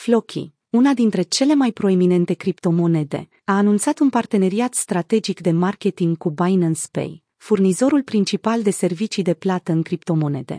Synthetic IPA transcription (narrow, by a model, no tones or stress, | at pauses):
flo̞kʲʰḭ | unad̪int̪ɾe̞t͡ʃe̞le̞majpɾo̞e̞mine̞nt̪e̞kɾipt̪o̞mo̞ne̞d̪e̞̰ | aːnunt̪sat̪unpart̪e̞ne̞ɾiat̪st̪ɾat̪e̞d͡ʒikd̪e̞markʲe̞t̪iŋɡkubajnɨnspḛj | furnizo̞ɾulpɾint͡ʃipald̪e̞se̞rvit͡ʃid̪e̞plat̪əɨŋkɾipt̪o̞mo̞ne̞̰d̪e̞̰